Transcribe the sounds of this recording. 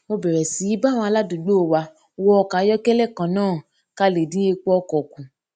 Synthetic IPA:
mo˧bɛ˨ɾɛ˨si˨˦i˦ba˦˨w̃ɔ̃˧a˧la˦dũ˨ɡ͡bo˦o˨wa˧ | wɔ˦ɔ˧ka˨˦jɔ˦kɛ˦lɛ˦˨kã˨nãː˦˨ | ka˧le˨dĩ˨˦e˧k͡pɔ˦ɔ˧kɔ˨kũ˨

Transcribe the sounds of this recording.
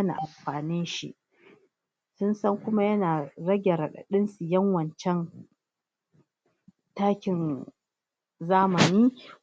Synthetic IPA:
a˦na̰ː˨ʔa˨mɸaː˨nɪ˦nʃḭ˦ʔ | sʊ˦nsɐ˦ŋkʷʊ˦ma˦jɐ˦naː˨ɾɐ˦ɡʲɛ˨ɾa˨ɗa̰˨ɗɪ˦nsu˨jɐ˦ŋwɐ˨nt͡ʃɛ˦n | taː˦kʲɪ˨n | zaː˦mɐ˨niː˦

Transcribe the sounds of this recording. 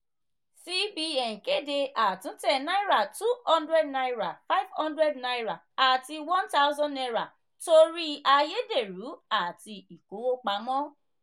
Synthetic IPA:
si˦bi˧ɛ̃˨ke˦de˧a˨tũ˨˦tɛ̃˦˨nã˦i˦ɾa˨tu˦hɔ̃˦ndɾɛ˦dna˧jɾa˨fa˦jvhɔ̃˦ndɾɛ˦dna˧jɾa˨ | a˨ti˧wɔ̃˦nta˦u˦zɔ̃˦ndɛ˧ɾa˨ | to˧ɾi˦a˧je˦de˦˨ɾu˨˦a˦˨ti˧i˨ku˨˦wo˦k͡pa˨˦mɔ̃˦

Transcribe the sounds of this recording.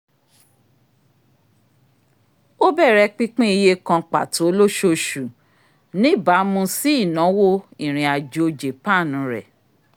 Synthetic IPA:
o˦bɛ˦˨ɾɛ˧˦k͡pi˦k͡pĩ˦i˧je˦kã˧k͡pa̰˨to˨˦lo˦ʃo˧ʃu˨ | nĩ˦˨ba˨˦mũ˧si˦i˦˨nã˨˦wo˦ĩ˦˨ɾ̃ĩ˨a˨d͡ʒo˨˦d͡ʒe˨pa˦˨nũ˨˦ɾɛ̰˦˨

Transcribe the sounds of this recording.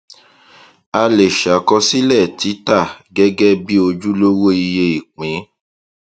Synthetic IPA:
a˧le˨ʃa˨kɔ˧si˦lɛ˦˨ti˨˦ta˦˨ɡɛ˦ɡɛ˦bi˦o˧d͡ʒu˦lo˦wo˦i˧je˧i˨k͡pĩ˨˦

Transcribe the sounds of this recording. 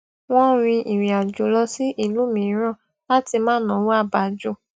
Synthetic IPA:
w̃ɔ̃˦ɾ̃ĩ˧ʔi˨ɾ̃ĩ˨a˨d͡ʒu˨˦lɔ˧si˦ʔi˦˨lu˨˦mĩ˧˦ɾ̃ã˦˨ | la˦ti˧mãː˦˨nã˨˦wo˦a˦˨ba˨d͡ʒu˦˨

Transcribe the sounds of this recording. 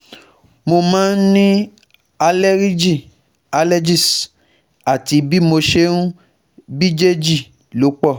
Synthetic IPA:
mo˧mãː˦n̩˦nĩ˦ | a˧le˦ɾi˦d͡ʒi˦˨ | a˧le˦d͡ʒi˦˨s | a˨ti˨˦bi˦mo˧ʃe˦nũ˦ | bi˦d͡ʒe˦d͡ʒi˦˨ | lo˨˦k͡pɔ˦˨

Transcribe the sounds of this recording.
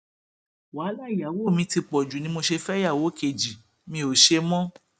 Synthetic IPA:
wa˨˦la˦i˨ja˨˦wo˦˨mĩ˧ti˧k͡pɔ˨d͡ʒu˨nĩ˧˦mo˧ʃe˧fɛ˦ja˦˨wo˨˦ke˨d͡ʒi˨ | mĩ˧o˨ʃe˧mɔ̃˦

